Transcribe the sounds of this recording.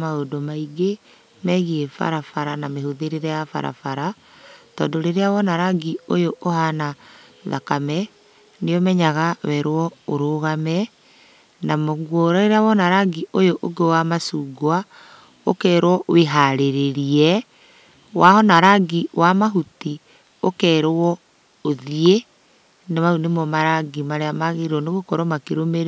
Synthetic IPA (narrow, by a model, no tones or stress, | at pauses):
maodomaiɡe | mɛɣiefa̰ɾafaɾanamehoðeɾeɾɛjafa̰ɾa̰faɾa | tɔːndoɾeɾeawɔnaɾaɡiojoʔohanaða̰kamɛ | nejɔmɛɲaɣawɛɾwɔoɾoɣamɛ | namoɣwoɾɔeɾawɔnaɾaɡiojoʔoɡewamasuːɡoa | o̰kɛːɾwɔweɦaɾeɾeɾiɛ | wahɔnaɾaɡiwamaɦuti | o̰kɛɾwɔ | oðie | nemaunemɔmaɾaɡimaɾeamaɣeɾɔneɣokɔɾɔmakeɾomeɾ